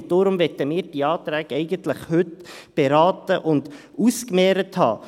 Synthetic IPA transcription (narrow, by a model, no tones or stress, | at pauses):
d̥oːɾʊmʋɛt̪əmɪːɾd̥iɑːt̪ɾæːɡɛɪɡənt̪ləχhʉtb̥eɾɑːt̪əʔʊnd̪ | uskmɛːɾəthɑ̰ː